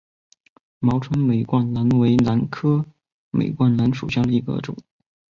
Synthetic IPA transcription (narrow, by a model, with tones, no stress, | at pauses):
mɑ˧˥ʊʈ͡ʂʰɤ˥ŋme˨˩ɪkwa˥˩nna˧˥nwe˧˥ɪna˧˥nkʰɤ˥ | mʔḛ˨˩ɪkwa˥˩nla˧˥nʂu˨˩ɕjɑ˥˩ŋd̪ə˩i˧˥ɡə̰˧ʈ͡ʂʊ̰˨˩˦ŋ